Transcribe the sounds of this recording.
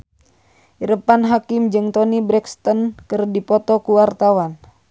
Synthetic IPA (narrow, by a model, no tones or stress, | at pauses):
ʔiɾəpanɦakɪmd͡ʒɨŋt̪ɔnibɾɛkst̪ənkɨrdipɔt̪ɔkuwart̪awan